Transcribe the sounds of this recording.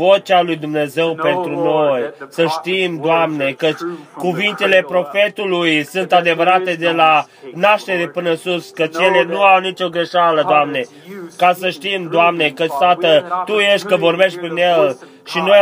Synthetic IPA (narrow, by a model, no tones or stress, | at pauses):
vo̞t͡ʃalujd̪umne̞ze̞wpe̞nt̪ɾuno̞jsəʃt̪imd̪oamne̞kət͡ʃʲkuvint̪e̞le̞pɾo̞fe̞t̪ulujsunt̪ad̪e̞vəɾat̪e̞d̪e̞la | naʃt̪e̞ɾe̞pɨnəɨnsuskət͡ʃʲjele̞nuawnit͡ʃo̞ɡɾe̞ʃaləd̪oamne̞ | kasəʃt̪imd̪oamne̞kət͡ʃt̪at̪ət̪uje̞ʃt̪̚ʲkəvo̞rbe̞ʃt̪̚ʲpɾinjell | ʃino̞